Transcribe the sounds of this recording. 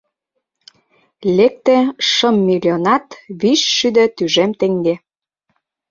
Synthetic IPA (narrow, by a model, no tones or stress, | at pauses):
lek̚t̪ĕʃə̆mːilʲionɑt̪βiʃʃyd̪ø̆t̪yʒemt̪eŋɡe